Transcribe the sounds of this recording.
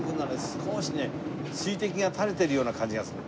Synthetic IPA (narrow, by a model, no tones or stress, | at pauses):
ɡɯ̟̃nːaɾsɨ̥kʰo̞ːɕine | ɕiːt̪e̞kʲiɡat̪ʰaɾe̞t̪e̞ɾɯ̟jo̞ːnakãɲ̟d͡ʑiɡasɨɾɯ